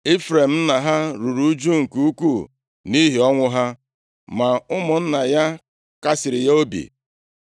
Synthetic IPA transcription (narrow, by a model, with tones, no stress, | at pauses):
e˦fɾe˨m̩˦na˨ɦa˦ɾu˨ɾu˦d͡ʒu˦ŋ̩˨ku˦u˦ku˦˨ | ni˦ɦi˨ɔ˦ŋʷʊ˦ɦa˦ | ma˨ʊ˦mʊ˨n̩˦na˨ja˦ | ka˦sɪ˨ɾɪ˨ja˦o˦bḭ˨